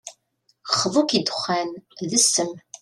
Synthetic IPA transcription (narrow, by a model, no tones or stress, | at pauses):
χəðˤukid̪χʷːænðəsːəm